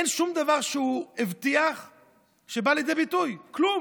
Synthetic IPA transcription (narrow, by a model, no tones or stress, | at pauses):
enʃumd̪avaʁʃeuivt̪iaχ | ʃebalid̪ebit̪ujklum